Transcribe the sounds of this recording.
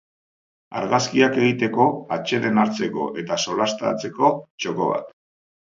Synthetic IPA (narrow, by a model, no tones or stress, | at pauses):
a̰ɾɣaskiake̞ɣ̞it̪e̞ko̞at͡ʃe̞ðe̞naɾt͡se̞ko̞̰ʔe̞t̪aso̞last̪a̰t͡se̞ko̞t͡ʃo̞ko̞βa̰t̪